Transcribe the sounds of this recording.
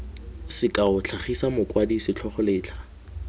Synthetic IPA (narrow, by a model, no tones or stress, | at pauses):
sɪkʼaʊt͡ɬʰaχisamʊkʼwadisɪt͡ɬʰɔχɔlɪːt͡ɬʰa